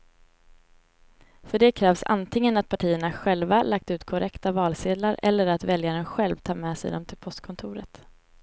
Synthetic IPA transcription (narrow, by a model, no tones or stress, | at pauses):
fœɖɛkʰɾɛːvsa̰nt̪ʰɪŋːənat̪̚pʰaʈʰiːəɳaɧɛlvalʔak̚t̪ʉ̟ːt̪kʰɔɾʔɛkt̪avɑːlseːd̪laɾɛ̰lːəɾat̪vɛljaɾənɧɛlvt̪ʰɑːmɛːsɛ̰d̪ɔmt̪ʰɪlpʰɔst̪̚kʰɔnt̪ʰʊːɾə̰t̪